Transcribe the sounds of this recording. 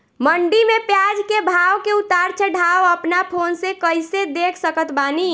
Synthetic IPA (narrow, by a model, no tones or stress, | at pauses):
məɳɖimepjad͡ʒkebʱaʋkeut̪aɾt͡ʃʰəɖʱawəpnapʰoːnsekəɪsed̪ekʰsəkət̪ʰbaːni